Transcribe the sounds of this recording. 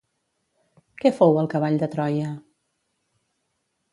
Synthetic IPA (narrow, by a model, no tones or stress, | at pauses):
kɛfowəlˠkəβ̞aʎd̪ət̪ɾɔjə